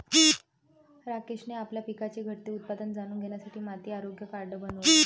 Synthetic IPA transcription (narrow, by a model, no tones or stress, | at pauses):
ɾakeɕneapljapikat͡ɕeɡʱəʈt̪iːut̪̚pad̪ənd͡zaɽ̃uːnɡʱenjasaʈʰiːmat̪iːaɾoɡjəkaɾɖəbənuʋe